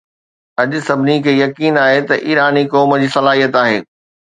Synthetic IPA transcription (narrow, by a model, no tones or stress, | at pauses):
ɐʄʊ̆sɐbʱɪnikʰeːjɐkiːnaːɦet̪ɐʔiːɾaːnikɔːməd͡ʑiːsɐlaːɦijət̪aːɦḛː